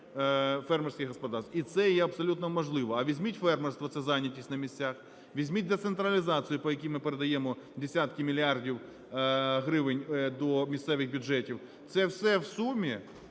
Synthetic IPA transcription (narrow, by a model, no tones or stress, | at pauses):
fɛrmersʲkɪxɦɔspɔd̪ɑst̪it̪sɛjɛɐbsɔlʲut̪nɔmɔʒlˠɪʋɔɐʋʲizʲmʲitʲfɛrmɛrst̪ʋɔt̪ɛzɑnʲːɐtʲisʲnɐmʲisʲt͡sʲax | ʋʲizʲmʲit̚ʲd̪et̪sent̪ɾɐlʲizɑt͡s̪sɨjʊpɔjɐkʲimɪpeɾed̪ɐjɛmɔ | d̪esʲat̪kɪmʲilʲiardʲiw | ɦɾɪʋɪnʲd̪ɔmʲissɛʋɪxbʲʊd͡ʒɛtʲiw | t̪sɛwsɛwsumʲi